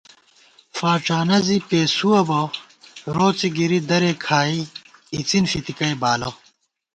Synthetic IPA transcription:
faːʈ͡ʂaːnɐzipeːsuɐbɐ | ɾoːt͡siɡiɾid̪ɐɾekʰaːiːt͡sinfit̪ikɐjbaːlo

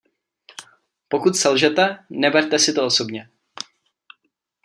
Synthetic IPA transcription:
po̞kut̪sɛlʒɛt̪ɛnɛbɛɾt̪ɛsɪt̪ooso̞bɲɛ

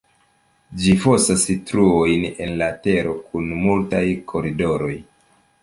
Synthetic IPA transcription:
d͡ʒifo̞stasitɾuo̞jne̞nlate̞ɾo̞kʰunmultajkʰo̞ɾido̞ɾo̞j

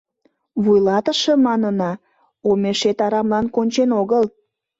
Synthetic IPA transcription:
βujlɑt̪əʃemɑnənɑ | omeʃet̪ɑɾɑmlɑnkonʲt͡ɕenoɣəl

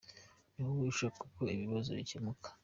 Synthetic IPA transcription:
nuwuʃakuko̞iβiβazo̞̰βḭcemukʰḁ

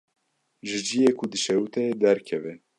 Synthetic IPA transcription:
ʒɨd͡ʒijekʰud̪ɨʃɛɾut̪ʰɛed̪ɛɾkʰɛvɛ

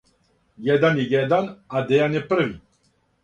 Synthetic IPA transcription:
jɛd̪anijɛd̪anad̪ɛjanɛpəɾvi

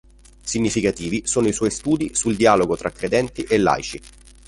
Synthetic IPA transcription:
siɲːifikat̪iːvisoːnoiswɔjst̪uːd̪isuld̪iaːloɡot̪ɾʔakːɾed̪ɛnt̪iʔelːa̰jt͡ʃi

